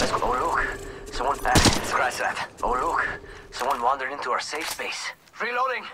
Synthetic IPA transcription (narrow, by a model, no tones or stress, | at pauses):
ðæsoʊlʊksʌ̃mwʌ̃næskʰɹaɪzðæ̰tʔo̰ʊlʊksʌ̃mwʌ̃nwɑ̃ndə˞dɪ̃ntuaə˞seɪfspeɪs | fɹiloʊɾɪ̃ŋ